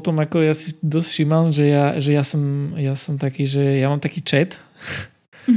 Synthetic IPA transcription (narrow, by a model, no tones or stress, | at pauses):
t̪ɔmjakɔjasid̪ɔst̪fʃimamʒɛjaʒɛjasɔmjasɔmt̪akiʒɛjamamt̪akit͡ʂɛt̪